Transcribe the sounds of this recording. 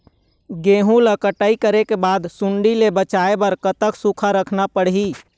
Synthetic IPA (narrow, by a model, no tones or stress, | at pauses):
ɡeːɦũləkəʈəikəɾekebaːd̪suɳɖilebət͡ʃaebəɾkət̪əksukʰaɾəkʰnapəɽɦi